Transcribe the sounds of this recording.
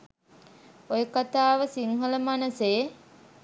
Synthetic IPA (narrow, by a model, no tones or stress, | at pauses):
ojəkat̪aːʋəsiŋɦələmanəseː